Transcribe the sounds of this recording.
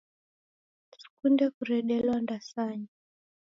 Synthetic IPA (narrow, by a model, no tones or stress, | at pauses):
si̥kundɛkuɾɛɗɛlwandasaɲi